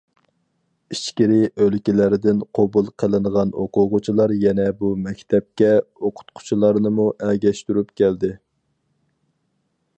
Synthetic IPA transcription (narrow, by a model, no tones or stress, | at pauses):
iʃkʲiɾɪʔølkʲilæɾɪd̪ɪnqʰobulˠqʰəlˠɨnəʁɑno̰qʊʁʊt͡ʃʰilˠɑɾjɛnɛbumɛkʲt̪ʰɛp̚kʲɛoqʰʊ̥t̪qʰʊ̥t͡ʃʰilˠɑɾnɨmuʔɛɡʲɛʃt̪yɾypkʲɛld̪ɪ